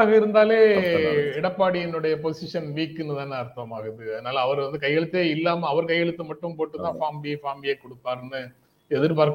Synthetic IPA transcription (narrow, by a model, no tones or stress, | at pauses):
aːɣɐɪɾɯnd̪aːleː | ɪɽɐpːaːɽiɛnːɯɽɐjɐpɔsɪʂɐnʋiːkːɯnːɯðaːnɐɾt̪ːɐmaːɣɐɪðɯɐðɐnaːlɐɐʋɐɾʋɐnd̪ɯkɐjːɛɭɯt̪ːeːɪlːaːmɐːʋɐɾkɐjːɛɭɯt̪ːɯmɐʈːɯmpoːʈːɯt̪ːãːfaːmbifaːmbiɐkːɔɽɯpːaːɾɯnːɯ | ɛðɪɾpaːɾk